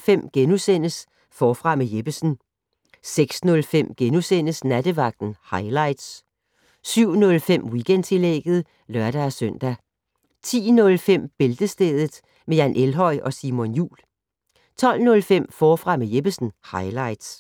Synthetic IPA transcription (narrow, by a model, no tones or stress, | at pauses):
fem̰ɡ̥enusen̰əs | fɒːfʁɑ̈mejeb̥əsn̩ | seɡ̥snɔ̽lfem̰ɡ̥enusen̰əsnæd̥əʋɑ̈ɡ̥̚d̥n̩hɑ̈ɪlɑ̈ɪ̰d̥s | syʊ̰nɔ̽lfem̰wiɡ̥end̥t͡sʰe̝leɡ̥ð̩ˠ | lɶɐ̰ɾ̥ææsœn̰d̥æ | t͡sʰḭːnɔ̽lfem̰b̥e̝ld̥əsd̥eːðˠð̩ˠ | mejænʔelɦɒ̽ɪ̰ɒ̽simɔ̽njṵːl | t͡sʰɒ̽l̰nɔ̽lfem̰fɒːfʁɑ̈mejeb̥əsn̩hɑ̈ɪlɑ̈ɪd̥s